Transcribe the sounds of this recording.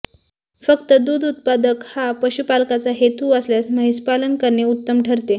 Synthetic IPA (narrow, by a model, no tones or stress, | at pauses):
fəkt̪əd̪uːd̪ut̪̚pad̪əkhapəɕupalkat͡saɦet̪uəsljasməɦispalənkəɾɳeut̪ːəmʈʰəɾt̪e